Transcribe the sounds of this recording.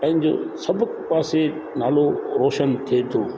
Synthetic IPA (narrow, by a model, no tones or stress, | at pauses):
pɐ̃ɦɪ̃ɲd͡ʑo̰ːsɐbʱʊkaːse | na̰ːloɾɔːʃənt̪ʰiet̪ʰoː